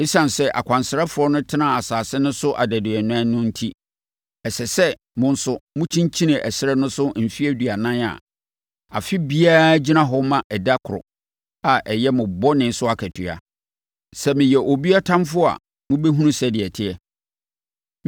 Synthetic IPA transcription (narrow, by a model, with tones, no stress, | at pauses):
ɪ˦sã˨n˨sɛ˦ʔa̰˨kʷʰã˨nsɪ˨ɾɛ˦fʊ˨ɔ˦nʊ̃˦tʰɪ˦nã˨a˨saː˨sɪ˦nʊ̃˦sʊ˦ʔa˨dɛ˨dɪ˨ɛ˨nʊ̃˦a˦nʊ̃˦n̩˦tʰi˦ | ɛ˨sɛ˨sɛ˦ | mʊ̃˦n̩˦sʊ˦mʊ̃˦t͡ɕʰĩ˦ɲt͡ɕʰĩ˦nɪ̃˨ʔɛ˨sɪ˦ɾɛ˦nʊ̃˦sʊ˦m̩˨fi˦æ˦dɥa˨nã˦na̰˨ | a̰˨fɪ˦bi˦aː˦d͡ʑi˦nã˦ɦɔ˦mã˨ʔɛ˨da˦kʰʊ˨ɾʊ̰˨ | a˨ʔɛ˨jɛ˦mʊ̃˨bɔ˦nɪ̃˨˦sʊ˦a˨kʰɛ˨tʰɪ˨a̰˨ | sɛ˦mɪ̃˨jɛ˨ʔo˨bi˦a˦tʰã˦mfʊ˦˨a̰˨ | mʊ̃˦bɛ˦ɦũ˦ũ˦sɛ˨dɪ˨ɛ˨tʰɪ˨ɛ˨